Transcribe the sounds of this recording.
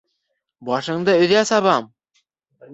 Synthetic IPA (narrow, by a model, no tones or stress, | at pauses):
bɑʃɤ̆ɴd̪ɤɵ̆ðæsɑβɑm